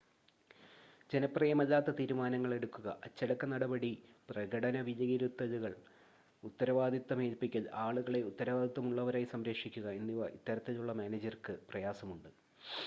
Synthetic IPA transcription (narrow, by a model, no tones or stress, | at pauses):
d͡ʑe̞nɐpːrɐjɐmɐðːaːt̪ːɐt̪iːɾumaːnɐŋːɐɭe̞ɽukːuɣɐʔɐt͡ɕːɐɽɐkːɐnɐɽɐbɐɽiprɐɡɐɽɐnɐʋid͡ʑɐjiɾut̪ːɐðuɣɐɭ | ut̪ːɐɾɐʋaːd̪ʱit̪ːɐmeːlpːikʲːɐlaːɭuɣɐɭe̞ut̪ːɐɾɐʋaːd̪ʱit̪ːɐmuɭːɐʋɐɾaːjisɐmɾekʂikʲːuɣɐenːiʋɐʔḭt̪ːɐɾɐt̪ːeluɭːɐmaːneːd͡ʑɐrkɨprɐjaːsɐmuɳɖɨ